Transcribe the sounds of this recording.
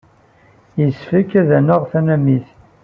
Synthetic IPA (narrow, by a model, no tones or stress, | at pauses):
jəsfəkːæðænəʁθænæmːiθ